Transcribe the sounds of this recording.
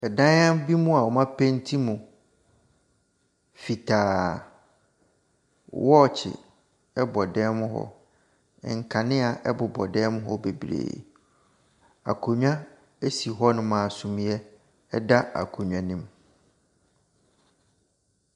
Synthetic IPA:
ɛ˨dã˦ã˦mbi˦mũ˦a˨wɔ˨mã˦pʰẽ˦n˦tʰi˦mũ˨ | fi˨tʰaː˨˦ | wɔ˦˨t͡ɕʰɪ̰˨ | ɛ˦bɔ˨dɛː˦mʊ̃˦ɦɔ̰˦˨ | ŋ̩˨kʰã˨nɪ̃˦a˨ʔɛ˦bʊ˨bɔ˨dɛː˦mʊ̃˦ɦɔ˦be˨bɾḛː˨ | a̰˨kʰo˨ɲᶣã˦ | e˦si˨ɦɔ˦nʊ̃˦mãː˨sʊ̃˨mĩ˦ɛ˦ | ɛ˦da˦a̰˨kʰo˨ɲᶣ˨ã˨nĩ˦m

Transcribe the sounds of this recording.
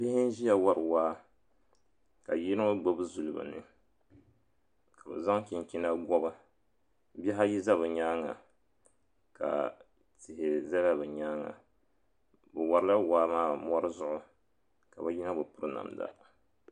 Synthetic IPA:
bɪ˦hɪ˦n˦ʒi˦ja˦wa˦ɾɨ˨waː˦ | ka˨ji˦ɾɨ˦ŋɨ˦ɡ͡bo˦bɨ˦zu˨lɨ˨ba̰˨nɨ̰˦ | ka˨bɨ̰˨za˦ŋki˨n˨kʲi˦na˦ɡɔ˦bɨ˦ | bɛ˦ɦa˦ji˦za˦bɨ˨ɲaː˦ŋa̰˨ | ka̰˨ | tɪ˨hɪ˨za˦la˦bɨ˨ɲaː˦ŋa̰˨ | bɛ˨wa˨ɾɨ˦la˦waː˦maː˦˨mɔ˦ɾɨ˦zʊ˦ʔʊ˦ | ka˨ba˦ji˦na˦bɨ˨pʊ˦ɾɨ˦na̰˨mda̰˨

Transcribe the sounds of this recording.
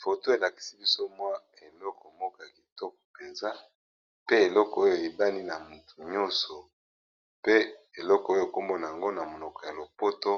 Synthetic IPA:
fo˨to˦e˨la˨ki̥˨si˦bi˦so˦mwa˦ | e˨lɔ˦kɔ˨mɔ˦kɔ˨ja˨ki˨tɔ˦k̚ɔ̥˨pe˨nza˦ | pe˦e˨lɔ˦kɔ˨o˦jo˨e˨ba˦ni˦na˨mu˨tu˨ɲɔ˦sɔ˨ | pe˦e˨lɔ˦kɔ˨o˦jo˦˨ko˦mbo˦na˨a˨ŋɡo˦na˨mo˨nɔ˨kɔ˨ja˨lo˨po˦to˦

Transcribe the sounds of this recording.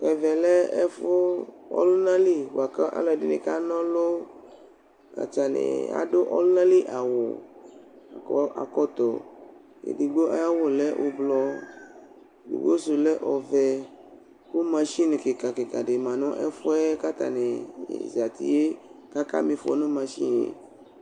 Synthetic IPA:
kɛ˨vɛ˨lɛ˦ɛ˦fo˦ɔ̰˦lʊ˦nã˦li˦wa˨ka˦ʔa̰˦lɔ˨dɪ˦nḛ̃˨ka˦nɔ̃˦lo˦ | a̰˨t͡ʃa˨nḛ˨a̰˨do˦ʔɔ̰˦lʊ˦nã˦li˦ʔa˨wo̰˨ | a̰˨kɔ˦t̪ɔ˨ | ḛ˨di˨ɡ͡bo˦a̰˦ja˦wo˦lɛ˦ʔo˧blɔ˧˨ | dḭ˨ɡ͡bo˦su˨lɛ˦ʔɔ˨vɛ˨ | ko˦mã˧ʃi˦ne˨ke˨ka˨ke˨ka˨de˨mã˨nɔ̃˦ʔɛ̰˦fʊ˦ɛ˦ka˦t̪a̰˨ne˨ḛ˨zi˨a˨t̪ḭ˨je˦ka˦ka̰˦mĩ˧fɔ̰˨˦nõ˦mã˧ʃḭ˦nḛ˨

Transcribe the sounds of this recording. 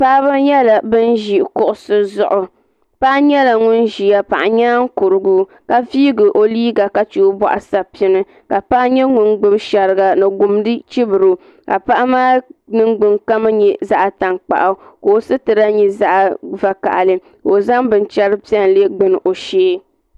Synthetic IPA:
pa˦βɨ˦ɲɛ˦la˨bɨ˦nʒi˨ʔkʊ˦ʔʊ˦sɨ˦zʊ̰˨ʔʊ˨ | pa˦ʔa˦ɲɛ˦la˨ŋʊ˦nʒi˨ja˦pa˨ʔa˨ɲaː˦ŋ̩˦kʊ˨ɾɨ˨ɡu˦ | ka˨viː˦ɡɨ˨ʔo˨liː˦ɡa˨ka˦t͡ʃu˨˦ba̰˨ʔa˨sa˦pi˦nɨ˦ | ka˨pa˦ʔɲɛ˦ŋʊ˦nɡ͡bɨ˦bʃɛ˨ɾɨ˨ɡa˨nɨ˨ɡʊ˨mdɨ˦t͡ʃi˦bɨ˨ɾɨ˦ | ka˨pa˦ʔa˦maː˦nɨ˦ŋɡ͡bɨ˨ŋka˦ma˦ɲɛ˨za˦ʔa˨ta˨ŋk͡pa̰˨ʔa˨koː˨˦sɨ˦tɨ˨ɾa˦ɲi˦za˦ʔa˨va˨ka̰˨ʔa˨lɨ˦ | ko˨za˦ŋbɨ˨nt͡ʃɛ˦ɾɨ˦pi˦ɛ˦n˨le˦ɡ͡bɨ˦n˨ʔo˨ʃeː˦

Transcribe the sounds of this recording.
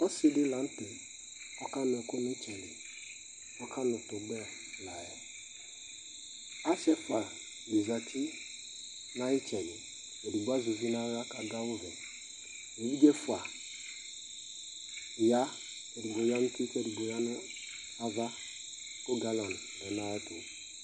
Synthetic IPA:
ɔ˦si˦dɪ˦la˨˦n̩˦te˨ | ɔ˦ka˦n˨ɛ˨kʊ˦ni˦t͡ʃɛ˨li˨ | ɔ˦ka˦nʊ˨to˨bɛ˦˨ | la˨jɛ˨ | a˦ʃɛ˦fa˨ | bi˨za˨tʰi˦ | na˦i˦t͡ʃɛ˨li˨ | ke˨di˨ɡ͡ba˦zu˨vi˦na˦ɣa˦ka˨da˦wvɛ˨ | i˨˦vi˦ɡe˦fʊ˨a˨ | ja˦ | ke˨di˨ɡ͡bo˨ja˦n̩˦ti˦kɛ˨di˨ɡ͡bo˨ja˦nʊ˦ | a˦va˦ | ko˦ɡa˨lɔ˨n˨dɛ˨na˦ɛ˦tu˨

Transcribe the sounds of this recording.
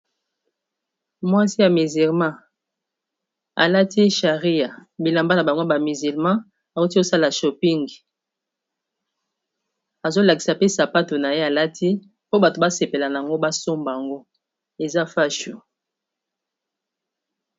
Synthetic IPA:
mwa˦si˦ja˨mi˨zi˨lmã˦ | a̰˨la˦tʰi˦ʃa˨ʁi˦ja˨bi˨la˨mba˦na˨ba˨ŋɡo˦ba˨mi˨zi˨lmã˦ | a˨zu˦ti˦o˦sa˦la˨ʃɔ˨pi˦ŋɡi˨ | a˨zo˦la˨ki̥˨sa˨pe˦sa˨pa˦to˨na˨je˦a˨la˦tʰi˦ | po˦ba˨to˨ba˦se˨pe˨la˨na˨a˨ŋɡo˦ba˦so˦mbŋɡo˦ | e˨za˦fa˦ʃu˨

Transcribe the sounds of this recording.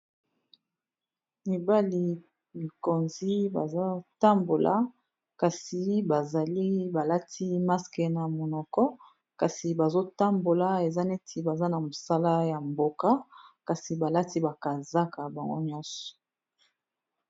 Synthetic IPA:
mi˨ba˦li˨ | mi˨ko˨nzi˦ba˨za˦ta˦mbo˨lʔa̰˨ | ka˨si˨ba˨za˨li˦ba˨la˦tʰi˦ma˦ske˨na˨mo˨nɔ˨kɔ˦ | ka˨si˨ba˨zo˦ta˦mbo˨la˦e˨za˦ne˦tʰi˨ba˨za˦na˨mo˨sa˦la˦ja˨mbo˦ka˦ka˨si˨ba˨la˦ti˦ba˨ka˨za˦ka˨ba˨ŋɡo˦ɲɔ˦sɔ̥˨

